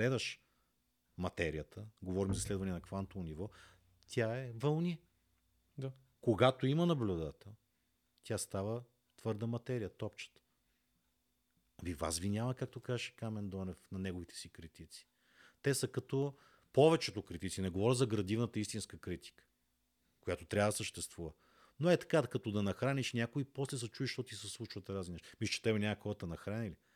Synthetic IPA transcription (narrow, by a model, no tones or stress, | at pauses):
ɛd̪ɐʃ | mɐt̪ɛɾiət̪ʰəɡovɔɾimzɐslɛd̪vɐnɛnɐkvant̪ovonivɔ | t̪ʰʲjaɛvɐlˠnʲi | d̪a | koɡat̪oimɐnɐblʲud̪at̪əl | t̪ʲast̪avə | t̪vɤɾd̪əmɐt̪ɛɾijət̪ɔpt͡ʃə̥t̪ə̥ | viva̰svinʲamɐkak̚t̪okazəʃɛ̥kamɛnd̪ɔnɛfnɐnɛɡovit̪ɛ̥sikɾit̪it̪si̥ | t̪ɛsɐkɐt̪o | povɛt͡ʃɛt̪okɾit̪it̪sinɛɡovɔɾʲəzɐɡɾɐd̪ivnət̪əist̪inskəkɾit̪i̥kə̥ | kojat̪ot̪ɾʲavəd̪ɐsəʃt̪ɛst̪vuvə | noɛt̪ɐ̥kad̪kɐt̪od̪ɐnɐxɾaniʃnʲakoipɔslɛs̬ɐt͡ʃuiʃt̪ɔt̪isɛslˠut͡ʃvət̪ɾazlinɛʃmislʲə̥t͡ʃɛ̥t̪ɛbɛnʲaɐxɔɾət̪ɐnɐxɾanili